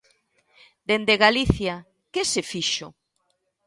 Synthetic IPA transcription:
d̪end̪eɣaliθja | kesefiʃo

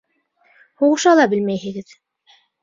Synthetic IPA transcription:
huʁɤ̆ʃɑlˠɑbɘlmæjɦɘ̆ɡɘð

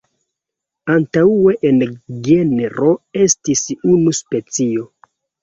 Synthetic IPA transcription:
antaue̞ʔenɡeneɾʔo̞e̞stisunuspe̞t͡sio̞

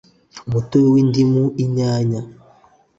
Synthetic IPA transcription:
mutowindimuiɲaːɲa

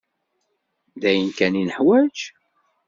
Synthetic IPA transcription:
d̪æjənkæninəħwæt͡ʃ

